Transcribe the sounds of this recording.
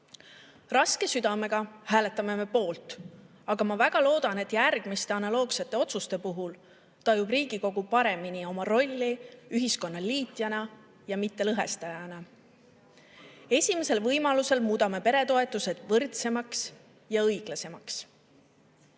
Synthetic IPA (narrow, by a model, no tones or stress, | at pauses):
rɑske̞syd̪̥ɑme̞ɡ̥ɑhæːle̞t̪ːˑɑme̞me̞po̞ːlt̪ˑ | ɑɡ̥ɑmɑvæɡ̥ɑlo̞ːd̪̥ɑne̞t̪ːˑjærɡ̥mist̪e̞ɑnɑlo̞ːɡse̞t̪ːˑe̞o̞t̪sust̪e̞puɦul | t̪ɑjmub̥riːɡ̥iko̞ɡ̥upɑɾe̞minio̞mɑro̞lʲːiyɦisko̞nːɑliːt̪ˑjɑnɑ | jɑmit̪ːe̞lɤɦe̞̰st̪ɑjɑnɑ | e̞sʲime̞se̞lvɤjmɑluse̞lmuːd̪ɑme̞pe̞ɾe̞t̪o̞e̞t̪ːˑuse̞d̪̥vɤrt̪se̞mɑks | jɑɤjɡ̥lɑse̞mɑks